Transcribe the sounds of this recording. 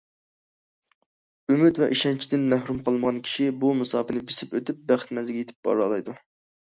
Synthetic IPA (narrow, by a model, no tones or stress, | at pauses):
ymyt̪wɛʔiʃɛnt͡ʃʰid̪ɪnmæhɾumqʰəlˠɨnəʁɑnkʲʰi̥ʃibumɨsɑːpɨnɪbesɪpøt̪yp̚bæχɪ̥t̪mɛzɪɡʲjet̪ʰɪ̥p̚b̥ɑ̰ɾɑlˠɑjd̪u